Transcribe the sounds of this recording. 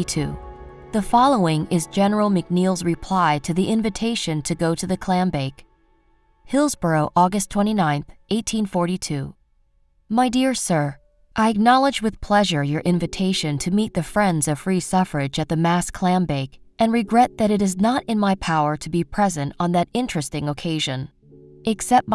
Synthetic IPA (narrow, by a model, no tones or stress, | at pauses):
tʰʉ̰ | ðɨfɑlˠoʊɪ̃ŋɪzd͡ʒɛnə˞l̩ˠmɨk̚nilˠzɹɨpʰl̥aɪɾɨðiʔɪ̃ɱvɨtʰeɪʃɨ̃ntʰɨɡoʊɾɨðɨkʰl̥æ̃mbeɪk | hɪlˠzbə˞oʊʔɔɡɨstʰw̥ɛ̃ɾ̃inãɪ̃nθʔeɪtʰĩnfɔɹɾitʰʉ | maɪdɪɹsɜ˞ | ʔaɪɨk̚nɑlˠəd͡ʒwɨð̥pʰl̥ɛʒə˞jə˞ʔɪ̃ɱvɨtʰeɪʃɨ̃ntʰɨmit̪̚ðɨfɹɛ̃ndzʌv̥fɹisʌfə˞ɪd͡ʒɨt̪̚ðɨmæskʰl̥æ̃mbeɪkʔɨ̃nɹɨɡɹɛt̪̚ðɨɾɨɾɨznəɾɨ̃nmaɪpʰaʊə˞ɾɨbipʰɹ̥ɛzɨ̃ntn̩ðɨɾɪ̃nt͡ʃɹ̥ɨstɪ̃ŋəkʰeɪʒɨ̃n | ɨksɛp̚t̚